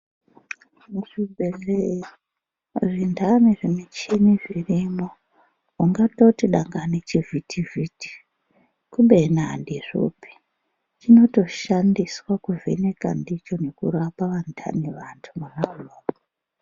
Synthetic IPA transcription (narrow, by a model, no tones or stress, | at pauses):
muʐibʱere | ʐindamiʐimet͡ʃiniʐirimo | uŋɡato̞tiɗaŋɡanet͡ʃivitiviti̥ | kumɓenandiʐo̰pi̥ | t͡ʃino̞to̞ʃandiswakuvʱḛne̞ka̰ndit͡ʃo̞ne̞kṵɾapaʋantʰa̰niʋantʰumunanoː